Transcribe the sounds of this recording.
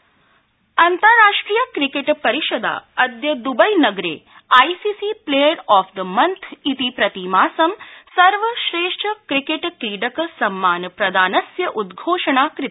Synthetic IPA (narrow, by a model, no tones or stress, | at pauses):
ɐnt̪ɐɾɾaːʂʈɾiːjɐkɾikeʈpɐɾiʃod̪a̰ːɐd̪jɐd̪ubɐjnɐɡɾḛː | aːjsiːsipleːjɐɾɔːfʰd̪əmɐnt̪ʰit̪ipɾɐt̪imaːsɐmsɐɾʋɐʃɾeːʂʈʰəkɾikeʈkɾiːɖɐksɐmːaːnpɾɐd̪aːnɐsjɐʔud̪ɡʱoːʂɐɳaːkɾɪ